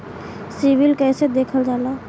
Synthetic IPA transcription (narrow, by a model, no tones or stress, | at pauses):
siʋɪlkɛːsed̪eːkʰəld͡ʒaːlaː